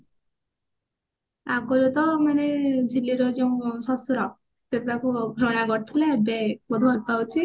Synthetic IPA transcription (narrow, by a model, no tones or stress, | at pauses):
akɔɾet̪ɔmaned͡ʒʱiliɾɔd͡ʒeũsɔsuɾɔ | t̪et̪akuɡʱɾɔɽ̃aɡɔɾt̪ʰilebekɔd̪ʱuɔɾpawt͡ʃʰi